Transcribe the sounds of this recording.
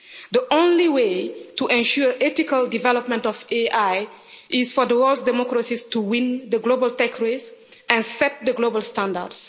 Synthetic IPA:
ðəʔõnliwetuʔɛ̃nʃuɹʔɛtikəlˠdivɛlɔpmɛ̃ntɔveʔaɪ | ʔɪzfɔðəwɜlˠdsdɛmɔkɹəsistuwĩnd̪əɡlobəlˠtekɹes | ɛ̃nsɛt̚ðəɡlobəlˠstãndə̰ds

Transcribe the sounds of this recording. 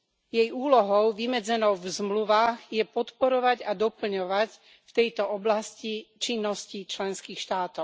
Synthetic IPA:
jɛjuːlɔɦɔʊʋimɛd͡zɛnɔʊvzmluʋaːɣjɛpɔt̪pɔɾɔʋaɟad̪ɔpl̩ɲɔʋac | ft̪ɛjt̪ɔɔblascit͡ʃinːɔscit͡ʃlɛnskiːxʃt̪aːt̪ɔʊ

